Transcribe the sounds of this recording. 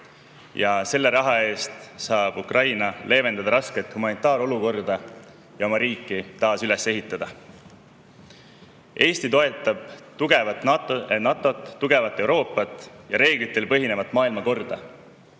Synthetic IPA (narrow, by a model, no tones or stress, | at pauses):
jɑse̞lːe̞ɾɑɦɑe̞ːst̪sɑːb̥ukrʔɑjnɑle̞ːve̞nd̪̥ɑd̪ɑɾɑske̞t̪humɑnit̪ːˑɑːɾo̞luko̞rd̪ɑ | jɑo̞mɑɾiːkˑːit̪ɑːsyle̞se̞ɦit̪ːˑɑd̪̥ɑ | ʔe̞ːst̪it̪o̞e̞t̪ːˑɑb̥t̪uɡ̥evɑnɑt̪ːˑo̞t̪ˑːuɡ̥e̞vɑt̪ːˑe̞wɾo̞ːpːˑɑt̪ːˑjɑɾe̞ːɡ̥lit̪ːˑe̞lpɤɦine̞vɑt̪ːˑmɑːilmɑko̞rd̪̥ɑ